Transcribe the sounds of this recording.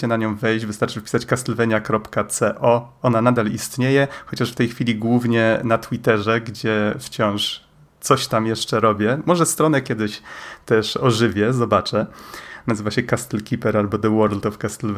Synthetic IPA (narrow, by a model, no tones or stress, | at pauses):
ɛnaɲɔ̃w̃vɛjd͡ʑvɘst̪aɾt͡ʂɘfpʲi̥sat͡ɕkast̪ɛlvɛɲjakɾɔpkat̪sɛʔɔ | ɔnanad̪alist̪ɲejɛxɔt͡ɕaʂft̪ɛjxfʲilʲiɡwuvɲɛnat̪wit̪ɛʐɛɡd͡ʑɛft͡ɕɔ̃w̃ʂ | t̪sɔɕt̪amjɛʂt͡ʂɛɾɔbʲjɛmɔʐɛst̪ɾɔnɛkʲɛd̪ɘɕt̪ɛʂɔʐɘvʲjɛzɔbat͡ʂɛnazɘvaɕɛkast̪ɛlkʲipɛɾalbɔd̪ɛwɔɾld̪ɔfkast̪ɛlv